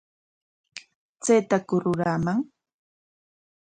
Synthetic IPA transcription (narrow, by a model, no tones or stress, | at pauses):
t͡sejt̪akʊɾʊɾaːmaŋ